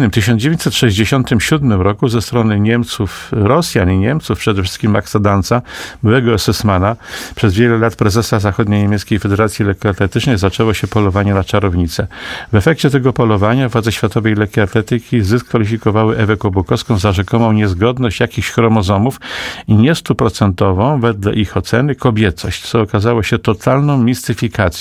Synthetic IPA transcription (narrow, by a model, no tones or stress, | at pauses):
nɘmt̪ɘɕ̬ɔnd͡ʑeeɲt͡ɕsɛt̪ʂɛʑd͡ʑeɕɔnt̪ɘmɕud̪mɘmɾɔkuzɛst̪ɾɔnɘɲɛmt̪sufɾɔsʲjaniɲɛmt̪sufpʂɛd̪ɛfʂ̬ɘst̪̚kʲimːaksad̪ant̪sabɘwɛɡɔasɛsmanapʂɛzvʲjɛlɛlat̪pɾɛzɛsazaxɔd̪ɲejɲemʲjɛt̪skʲejfɛd̪ɛɾat̪sʲjilɛkʲat̪lɛt̪ɘt͡ʂnɛjzat͡ʂɛwɔɕɛpɔlɔvaɲɛnat͡ʂaɾɔvɲit̪sɛvɛfɛk̚t͡ɕɛt̪ɛɡɔpɔlɔvaɲavwad̪zɛɕfʲjat̪ɔvɛjlɛkʲiat̪lɛt̪ɘkʲizɘskfalʲifʲikɔvawɘʔɛvɛkɔbukɔfskɔ̃w̃zaʐɛkɔmɔ̃w̃ɲɛzɡɔd̪nɔɕt͡ɕjakʲixɕxɾɔmɔzɔmufiɲɛst̪upɾɔt̪sɛnt̪ɔvɔ̃w̃vɛd̪lɛ̰ʔixɔt̪sɛnɘkɔbʲjɛt̪sɔɕt͡ɕt̪sɔːkazawɔɕɛt̪ɔt̪ʰalnɔ̃w̃mʲist̪ɘfʲikat̪sʲj